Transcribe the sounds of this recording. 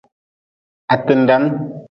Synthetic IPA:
a˨tə˨n˨da˨˦n

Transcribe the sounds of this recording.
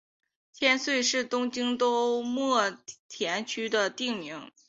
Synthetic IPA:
t͡ɕʰjɛ˥nswe˥˧ɪʂɻ̩˥˩t̪ʊ˥ŋt͡ɕi˥ŋt̪o˥ʊmwɔ˥˩t̪ʰjɛ˧˥nt͡ɕʰy˥d̪ə˨t̪i˥˩ŋmi˧˥ŋ

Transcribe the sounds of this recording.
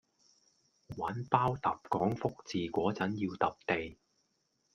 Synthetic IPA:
waː˨˥npaː˥wt̪ɐ˨p̚kɔː˨˥ŋfʊ˥k̚t͡siː˨kʷɔː˨˥t͡sɐ˨˥njiː˧wt̪ɐ˨p̚t̪e˨j

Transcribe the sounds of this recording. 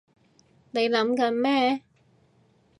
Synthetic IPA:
ne˨˧jlɐ˨˥mkɐ˨˧˥nmɛː˥

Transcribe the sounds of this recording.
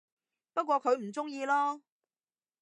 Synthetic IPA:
pɐ˥t̚kʷɔː˧kʰɵ˨˧ɥm̩˨˩t͡sʊ˥ŋjiː˧lɔː˥

